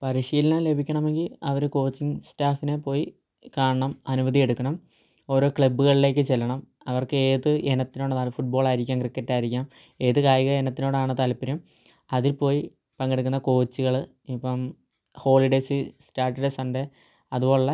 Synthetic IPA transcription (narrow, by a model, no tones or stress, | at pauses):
pɐɾiʂiːlinɐle̞bʱikʲːɐɳɐme̞ŋɡilɐʋɐɾuko̞ːt͡ɕːiŋstaːfinepo̞ːji | kaːɳɐɳɐmɐnubɐðie̞ɽukːɐɳɐm | o̞ːɾo̞ːkɭɐbːuɣɐɭile̞ːkːɨt͡ɕelːɐɳɐm | ɐʋɐrkɨeːðɨʔenɐt̪ːino̞ːɽɨnaːlfuʈ̚bo̞ːɭaːjiɾikʲːaːmkrikːɐtːaːjiɾikʲːaːm | e̞ːðɨkaːjiɣɐenɐt̪ːino̞ːɽɨaːɳɨt̪ɐlɐpːiɾɐm | ɐðilpo̞ːji | pɐŋɡeɽuk̬ːunːɐko̞ːt͡ɕːiɣɐɭ | ipːɐm | ho̞ːliɖe̞ːsɨstaːrʈɐɖesɐnɖe | ɐðubo̞ːɭːɐ